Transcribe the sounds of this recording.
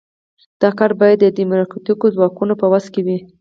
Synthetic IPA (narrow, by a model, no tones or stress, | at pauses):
d̪̥ɑkɑɾbɑjad̪ːəd̪imʊɾɑkɑt̪ikozwɑkunopəwas̚kewi